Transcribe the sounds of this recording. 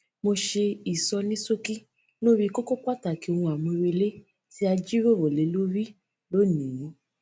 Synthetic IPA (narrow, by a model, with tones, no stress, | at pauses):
mo˧ʃe˧i˨sɔ˧nĩ˦so˦ki˦ | lo˦ɾi˦ko˦ko˦k͡pʷa˦˨ta˨ki˨˦o˧ũ˧˨a˨mũ˧ɾe˧le˦ | ti˦a˧d͡ʒi˦ɾo˦˨ɾo˨le˨˦lo˦ɾi˦ | lo˦˨nĩ˨jũ˨˦